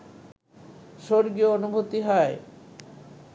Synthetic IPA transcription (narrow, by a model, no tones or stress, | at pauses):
ʃoɾɡioonubʱot̪iɦɔe